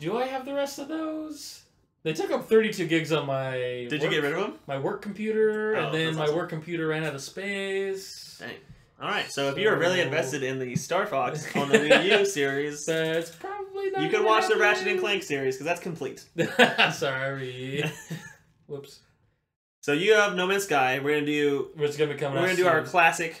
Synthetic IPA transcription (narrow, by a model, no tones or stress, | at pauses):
d̥ɨaɪɨvðɨɹɛstʌvðoʊz̥ | ðeɪtʰʊkʌp̚θɜ˞ɾitʰʉɡɪɡzə̃n̩maɪdɨwd͡ʒɨɡɛt̚ɹɪɾʌvə̃mmaɪwɜ˞kʰːm̩pʰjʉɾə˞ɨ̃nðɨ̃nmaɪwɜ˞kʰːm̩pʰj̥ʉɾə˞ɹæ̃ñɨɾɨspeɪsa̰ɪ | ɔlˠɹaɪtsoʊɨfjɨwə˞ɹɪlˠiɨ̃ɱvɛstɨɾɪ̃nðɨstɑɹfɑksn̩ðnʉjsɪɹiz̥ætspʰɹ̥ɑbəbliðjɨkɨd̚wɑt͡ʃðɨɹæʃɨ̃nɨ̃nkʰl̥æ̃ŋksɪɹiz̥kʰʌzðætskʰm̩pʰl̥ḭt̚ | sɑɹi | wɪps | soʊjɨəvnoʊmɛ̃nsɡ̥aɪwɪɹɡʌ̃nɨdɨwə˞tsɡ̥ʌ̃nɨkʰʌ̃m̃nɹɡʌ̃nɨdɨaʊə˞kʰl̥æsɨk